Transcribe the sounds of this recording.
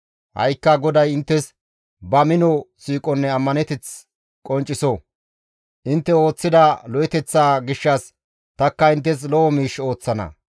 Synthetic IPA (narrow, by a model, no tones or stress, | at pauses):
hɐ̰jkːɐɡɔd̪ɐjɪnt̪ːɛs | bɐmɪnɔsiːkʼɔnːɛɐmːɐnɛt̪ɛt͡s | kʼɔnt͡ʃʼːɪsɔ | ʔɪnt̪ːɛo̞ːt͡sːɪd̪ɐlɔjɛt̪ɛt͡sːaːɡɪʃːɐs | t̪ɐkːɐɪnt̪ːɛs̬lɔɔmiːʃo̞ːt͡sːɐnɐ̰